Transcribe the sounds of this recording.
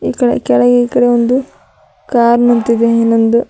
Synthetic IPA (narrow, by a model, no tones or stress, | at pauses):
iːkɐɽḛkɛɭɐɡeiːkɐɽe̞ond̪u | kaːɾnɐnt̪id̪eenːond̪u